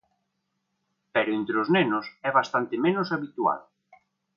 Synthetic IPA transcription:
pɛɾoent̪ɾeʊznenʊsɛβast̪ant̪ɪmẽnʊsaβit̪ua̰ð

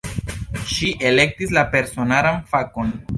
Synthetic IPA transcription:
ʃiʔe̞le̞k̚tislape̞ɾso̞nalanfako̞n

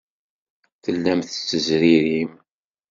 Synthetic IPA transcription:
θəlːæmθt͡sːəzɾiɾim

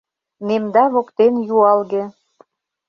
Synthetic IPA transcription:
nemd̪ɑβokt̪enjuɑlɣĕ

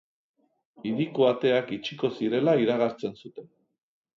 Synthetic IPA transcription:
iðikoat̪e̞akit͡ʃiko̞siɾe̞laiɾaɣ̞aɾt͡se̞nsut̪e̞n

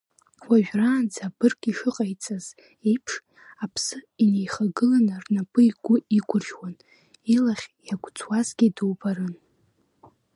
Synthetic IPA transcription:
waʒᶣraːnd͡zab̥ɨrkʼiʂɨqʼajt͡sʼaz̥ | ejpʰʂ | apʰsɨinejχaɡɨlanarnapʼɨiɡʷʊiɡʷʊrʒwan | ilaχʲjaɡʷʼt͡sʰʼwazɡʲidɨwbaɾɨn

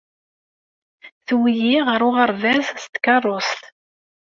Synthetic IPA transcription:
θwijiʁəɾˤʊʁɑɾˤvæzst̪kɑrˤːost̪

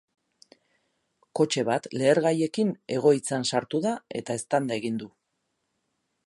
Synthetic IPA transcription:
ko̞t͡ʃe̞βat̪le̞ːɾɣaje̞kine̞ɣ̞o̞it͡sansaɾt̪uðae̞t̪ae̞st̪and̪ae̞ɣind̪u

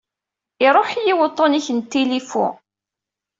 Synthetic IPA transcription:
ɪɾˤoħjiwət̪ˤːoniçənt̪ːilifṵ

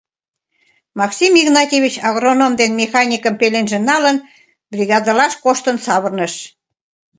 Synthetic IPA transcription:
mɑksimiɣnɑtʲeβʲit͡ɕɑɣronomd̪enmexɑnʲikəmpelenʒĕnɑlən | brʲiɣɑd̪ɑlɑʃkoʃt̪ənsɑβərnəʃ

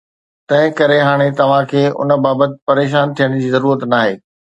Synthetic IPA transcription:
t̪ɐ̃ɦɪ̃kɐɾeɦaːɽ̃et̪ɐʋ̤ãkʰeːʔʊ̰nə̆baːbət̪ɪ̆pɐɾeːʃ̬aːnt̪ʰijəɽ̃̆d͡ʑiːzɐɾuːɾət̪naːɦeː

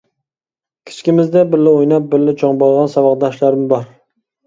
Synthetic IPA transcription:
kʲʰi̥t͡ʃʰkʲimɪzd̪ɛbɪɾlːɪojnɑp̚bɪɾlɪt͡ʃʰɑŋbɑlˠʁɑnsɑwɑqd̪ɑʃlaɾɪmbɑɾ

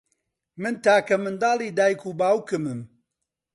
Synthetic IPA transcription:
mɨnt̪aːkɐmɨnd̪ɑːlˠiːd̪aːjkuːbaːwkɨmɨm

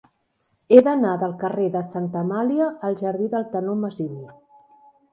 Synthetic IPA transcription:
eðənaðəlˠkəreðəsant̪əmaliəːlˠʒəɾðiðəlˠt̪ənoməzili

